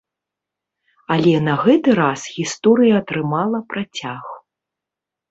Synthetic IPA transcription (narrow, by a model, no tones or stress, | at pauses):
ɐlʲɛnɐɣɛt̪ɨɾasɣʲist̪ɔɾɨjɐːt̪ɾɨmalˠɐpɾat͡sʲax